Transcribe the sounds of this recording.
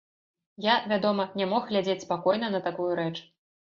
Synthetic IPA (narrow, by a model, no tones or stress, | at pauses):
javʲad̪ɔmɐnʲamɔxɣlʲad͡zʲet͡sʲspakɔjn̪ɐnɐt̪akujuɾɛt͡ʂ